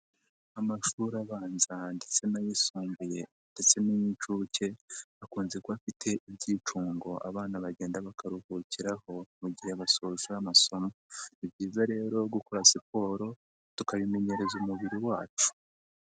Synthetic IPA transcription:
amaʃuːɾaβaːnzandet͡se̞najisuːmbuje̞ | ndet͡se̞niɲit͡ʃuːce̞akuːnzekoafitʰe̞ʔibɟiːt͡ʃuːŋɡo̞ʔa̰βaːnaβaɟe̞ːndaβakʰaɾuhuciɾaho̞muɟiheβaso̞ʒuamaso̞moibɟiːzaɾe̞ːɾo̞ɡukoɾasipo̞ːɾo̞ | tukaβime̞ɲe̞ɾe̞zumuβiɾiwaːt͡ʃu̥

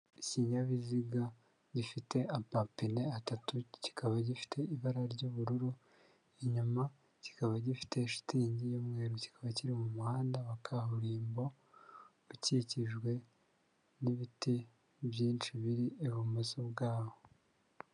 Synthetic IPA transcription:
iciːɲɟaβiziɡa | ɟifite̞apapine̞atatuci̥kaβaɟifi̥tʰe̞iβaɾaɾɟoβuɾuɾu | eɲuma | ci̥kaβaɟifi̥te̞ʃu̥tiɲɟijomŋe̞ːɾoci̥kʰaβaciɾimumuhaːndaβakʰahuɾiːmbo̞ | uciciʒɡwe̞ | niβiti | βjiːnt͡ʃiβiɾieβumusobɡaːβo

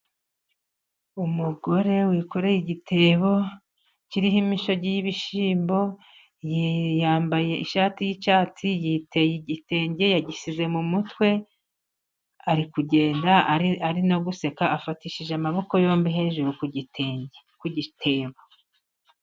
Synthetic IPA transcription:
umuɡo̞ɾe̞wiːko̞ɾe̞jiɟitʰe̞ːβo̞ | ciɾiɦimiʃo̞ɟijiβiʃiːmbo̞ | jjaːmbaje̞ʔiʃaːtijit͡ʃaːtʰijitʰe̞jiɟite̞ːɲɟe̞jaɟisize̞mumutwe̞ | aɾikuɟe̞ːndaaɾinoɡuse̞kaʔafatiʃiʒeamaβo̞ko̞jo̞ːmbiɦe̞ʒuɾukuɟiteekuɟitʰe̞ːβo

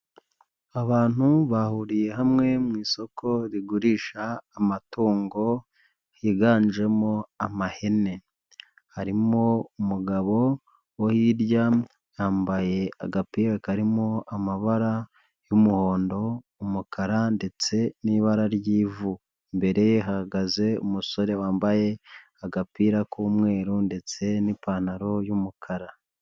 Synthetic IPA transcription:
aβaːn̥uβahuɾije̞ɦamŋe̞mŋiːso̞kʰo̞ɾiɡuɾiːʃaːmatuːŋɡo̞ | hiɡaːnd͡ʒe̞mo̞amahe̞ne̞ | haɾimo̞umuɡaβo̞ | wohiːɾɟa | jaːmbaje̞a̰ɡapiːɾakaɾimoamaβaɾa | jumuho̞ːndo̞ | umukʰaɾande̞t͡se̞niːβaɾaɾjiːvu | mbe̞ɾe̞jeɦahaɡaze̞ṵmuso̞ɾe̞waːmbaje̞ | aɡapiːɾakuːmŋe̞ːɾunde̞t͡se̞nipaːnaɾo̞jumukʰaɾa

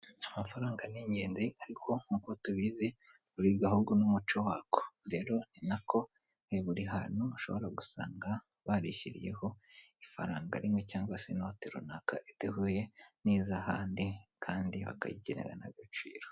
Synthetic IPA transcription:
amafaɾaːŋɡaniɲɟeːnziʔaɾikʰo̞ŋukotuβize | βuɾiɡahuɡunumut͡ʃowakʰo̥ɾe̞ːɾo̞ninakʰo̞ | eβuɾiɦanuuʃo̞̰βo̞ɾaɡusa̰ːŋɡa | βaɾiçiɾḭje̞̰ho̞ | ifa̰ɾaːŋɡa̰ɾimŋe̞caːŋɡwasenotiɾṵnaka̰ʔitehuje̞niːzahaːndikʰaːndiβa̰ka̰jiɟenḛɾa̰na̰βjot͡ʃḭːɾo

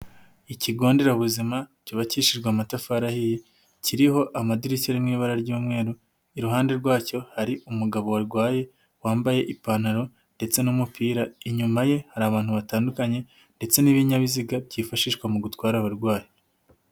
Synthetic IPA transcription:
iciɡo̞ːnde̞ɾaβuzimacoβaciʃiɾɡwamatafaɾahiji | ciɾiɦo̞ʔamadiɾicaɾimŋiːβaɾaɾɟuːmŋe̞ːɾu | iɾuɦaːnde̞ɾɡwaːco̞haɾiumuɡaβo̞waɾɡwaːje̞ | waːmbaje̞ʔipanaɾo̞ | nde̞t͡se̞numupiːɾaiɲumaje̞haɾaːβaːn̥huβataːndukaɲe̞ | nde̞t͡se̞niβiɲaβiziɡabɟiːfaʃiːʃwamuɡutwaːɾaβaɾɡwaːje

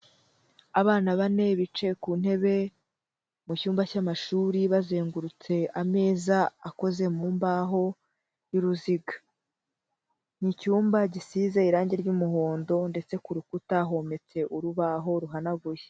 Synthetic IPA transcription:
aβaːnaβane̞βit͡ʃe̞kuːn̥he̞βe̞ | mucuːmbacamaʃuːɾiβazeːŋɡuɾut͡se̞ame̞ːzaako̞ze̞muːmbaɦo̞ | iɾuziɡḁ | n̥icuːmbaɟisizeiɾaːɲɟeɾɟumuɦo̞ːndo̞nde̞t͡se̞kuɾukutaɦo̞me̞t͡se̞ʔuɾuβaɦo̞ɾuɦanaɡuje

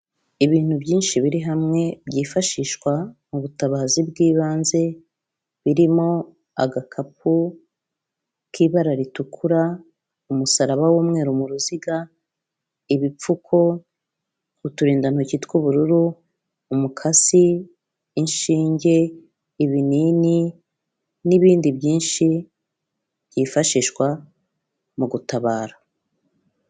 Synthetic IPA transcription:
iβiːn̥hubjiːnʃiβiɾiɦamŋe̞bɟiːfaʃiːʃkwamuβutaβaːzibɡiːβaːnze̞ | βiɾimo̞ | a̰ɡakʰap̚u | kiβaɾaɾitukʰuɾa | umusaɾaβawuːmŋe̞ːɾumuɾuziɡa | iβip͡fukʰo̞ | utuɾiːndan̥hocitkuβuɾuɾuː | mukʰasi | inʃiːɲɟe̞ː | βinini | niβiːndibɟiːnʃi | bjiːfaʃiːʃwa | muɡutaβaːɾa

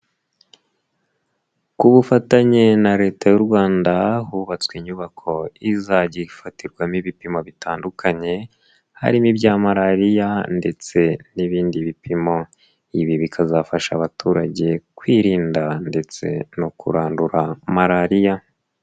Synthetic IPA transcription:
kuβufataɲe̞naɾe̞ːtajuɾɡwaːndahuβat͡skwiɲuβakʰo̞izaɟifatiɾɡwamiβipimo̞βitʰaːndukʰaɲe̞ | ha̰ɾimibɟaːmaɾaɾijande̞t͡se̞niβiːndiβipʰimo̞ | iβiβikʰazafaʃa̰βatuːɾaɟe̞kwiːɾiːndande̞t͡se̞̰nokṵɾaːnduɾamaɾaɾija

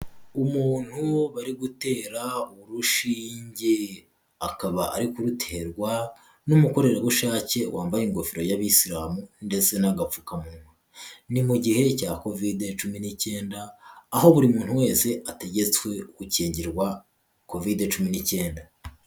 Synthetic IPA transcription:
umuːn̥huβaɾiɡute̞ːɾauβuɾuʃiːɲɟe | akaβaʔaɾikuɾutʰe̞ɾɡwa | numuko̞ɾe̞ɾewuʃaːce̞wʔaːmbajiŋɡo̞fiɾo̞jaβisiɾaːmunde̞t͡se̞naɡap͡fukamuɾma | nimuɟihe̞cako̞videt͡ʃuminice̞ːndaːho̞βuɾimuːn̥huwe̞ːnse̞ate̞ɟe̞t͡swe̞uɡuciːɲɟiɾɡwa | ko̞videt͡ʃuminice̞ːnda

